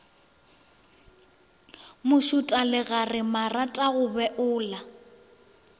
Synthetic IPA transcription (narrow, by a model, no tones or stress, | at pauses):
mʊʃʊtʼalɪɣarɪmaratʼaɣʊbɛʔʊːla